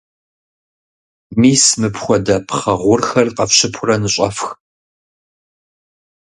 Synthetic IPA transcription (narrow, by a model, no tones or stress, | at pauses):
miːsmɨpxʷɔdɐpʰχɐʁʷʊrxɐrqɐfɕɪpʰʊrɐnɨɕʼɐ̰fx